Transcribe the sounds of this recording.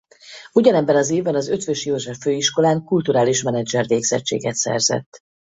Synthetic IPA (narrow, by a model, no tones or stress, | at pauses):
uɟɒnɛbːɛnɒzeːvbɛnɒzø̞t̪vøʃjoːʒɛfːøːiʃko̞laːŋkult̪uɾaːliʃmɛnɛd͡ʒɛrveːɡz̥ɛt͡ʃːḛːɡɛt̪sɛ̰rzɛ̰t̪ː